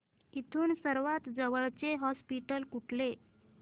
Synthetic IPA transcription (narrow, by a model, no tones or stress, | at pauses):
it̪ʰuːnsəɾʋat̪d͡zəʋəɭt͡seɦɔspiʈəlkuʈʰle